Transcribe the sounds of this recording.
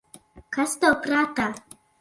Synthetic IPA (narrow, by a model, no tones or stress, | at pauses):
kɐst̪ɐpɾaːt̪a